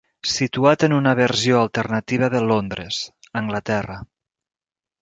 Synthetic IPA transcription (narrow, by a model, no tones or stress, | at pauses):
sit̪uat̪ənunəβəɾzioəlˠt̪ərnət̪iβ̞əðəlond̪ɾəz | əŋɡlət̪ɛrə